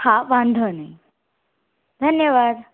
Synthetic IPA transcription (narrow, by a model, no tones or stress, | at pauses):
hãʋãnd̪ʱənai | d̪ʱənjəʋad̪